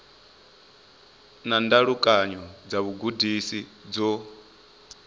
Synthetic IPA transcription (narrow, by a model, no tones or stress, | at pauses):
nandaɺukʼaɲɔd͡zaβuɡudisid͡zɔ